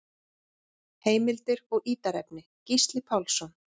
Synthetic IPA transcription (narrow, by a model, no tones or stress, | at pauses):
heːjmɪlt̪ɪɾɔɣʔiːt̪aɾɛpnɪ | cist̪lɪpʰawlsɔn